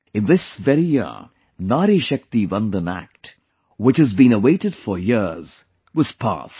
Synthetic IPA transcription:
ɨ̃nðɪsvɛɾijə̰ | naːɾiʃɛk̚t̪ivʌ̃ndənæ̰k̚t | wɪt͡ʃhɨzbĩnəweɪɾɨd̥fə˞jɪɹz̥ | wʌz̥pʰa̰st

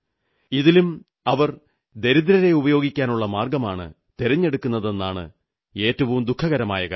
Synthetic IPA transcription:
iðilum | ɐʋɐr | d̪e̞ɾid̪ɾɐɾe̞ubɐjo̞ːɡikʲːaːnuɭːɐmaːrɡɐmaːɳɨ̰ | t̪eɾɐɲːe̞ɽukːunːɐðe̞nːaːɳɨ̰ | e̞ːtːɐʋɐumd̪ukʰːɐɣɐɾɐma̰ːjɐɣɐ̰

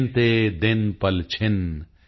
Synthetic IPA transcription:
nt̪ed̪ɪnpɐlt͡ʃʰɪn

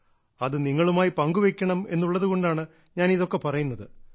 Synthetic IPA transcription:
ɐðɨniŋːɐɭumaːjipɐŋɡuʋekʲːɐɳɐme̞̰nːuɭːɐðuɣo̞ɳɖaːɳɨ | ɲaːniðo̞kːe̞pɐrɐjunːɐðɨ

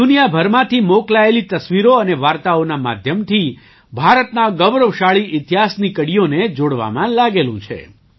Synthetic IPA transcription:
d̪unijabʱəɾmãt̪ʰimoklaelit̪əsʋiɾoəneʋaɾt̪aonama̰d̪ʱjəmt̪ʰi | bʱaɾət̪naɡəʋɾəʋʃaɭiʔɪt̪iɦasnikəɽijoned͡ʒoɽʋa̰mãlaɡelṵ̃t͡ʃʰḛ

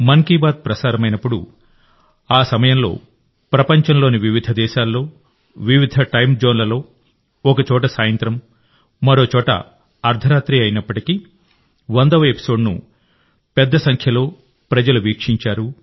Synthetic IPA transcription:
mɐŋkiːbaːd̪̚pɾɐsaːɾɐmɐjnɐpːuɽṵ | aːsɐmɐjɐmlo̞̰ː | pɾɐpɐɲt͡ʃɐnlo̞ːniʋiʋid̪ʱɐd̪ɛːʃaːlːo̞ː | ʋiʋid̪ʱɐʈɐjmd͡ʒoːnlɐlo̞ː | ɔkɐt͡ʃɔːʈ̬ɐsaːjɐnt̪ɾɐmː | ɐɾo̞ːt͡ʃɔːʈɐ̰ | ɐɾd̪ʰʱɐɾaːt̪ɾiɐjnɐpːɐʈiki | ʋɐnd̪ɐʋɐepi̥so̞ːɖnṵ | pɛd̪ːɐsɐŋkʰjɐlo̞ː | pɾɐd͡ʒɐluʋiːkʂiɲt͡ʃaːɾu

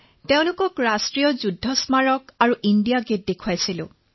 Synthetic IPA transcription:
teʊ̃lʊkɔkɹastɹijɔzudʱːɔsmaɹɔkaɹuʔindijaɡet̚dekʰuajsilʊ̰̃

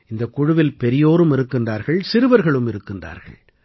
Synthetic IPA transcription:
ɪnd̪ɐkːʊɻʊʋɪlpɛɾɪjoːɾɯmɪɾɯkːɪndraːɾɣɐɭsɪɾɯʋɐɾɣɐɭɯmɪɾɯkːɪndra̰ːɾɣɐ̰ɭ

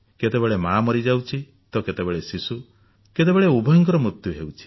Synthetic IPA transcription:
ket̪ebeɭemamɔɾid͡ʒawt͡ʃʰi | t̪ɔket̪ebeɭesisu | ket̪̬ebeɭeubʱɔjɔŋk̬ɔɾɔmɾut̪juɦewt͡ʃʰi̥

